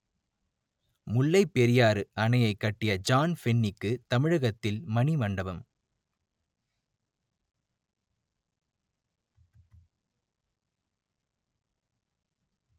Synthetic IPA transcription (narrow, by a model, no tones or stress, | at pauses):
mʊlːɐɪpːɛɾɪjaːɾɯʔɐnɐjɐɪkːɐʈːɪjɐd͡ʒaːnfɛnːɪkːɯt̪ɐmɪɻɐɣɐt̪ːɪlmɐɳimɐɳɖɐʋɐm